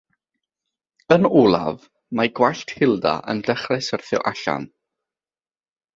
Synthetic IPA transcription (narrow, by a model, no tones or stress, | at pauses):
ənulˠa̰v | maɡwaɬtʰhɪlˠda̰ʔə̰ndəχrɛsərθʊ̰ʔaɬa̰n